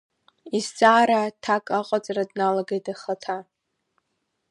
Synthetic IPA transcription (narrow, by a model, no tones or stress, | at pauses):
izd͡zʼaːɾatʰakʼaqʼat͡sʼaradnalaɡejtʰʼaχatʰa